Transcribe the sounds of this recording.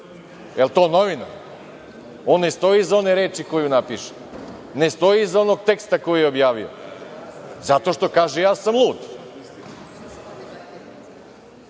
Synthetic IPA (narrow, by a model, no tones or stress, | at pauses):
elˠt̪o̞ːno̞ʋina̰ | o̞nːest̪o̞jiːzao̞neɾeːt͡ʃiko̞junapiʃe̥ | nest̪o̞jiːzo̞no̞ɡ̚t̪ekst̪ako̞jujeobjaːʋio̰ | zat̪o̞ʃt̪o̞kaːʒejaːsamlˠuːd̪